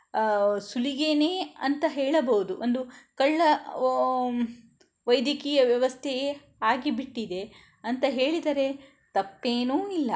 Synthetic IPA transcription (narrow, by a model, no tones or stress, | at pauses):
suliɡeneːɐnt̪ɐɦeːɭɐbɐɦud̪uʔond̪ukɐɭːɐ | ʋɐjd̪jɐkiːjɐʋjɐʋɐst̪ʰeje | aːɡibiʈːid̪e̞ | ɐnt̪ɐɦe̞ːɭid̪aːɾe̞ | t̪ɐpːeːnuːilːɐ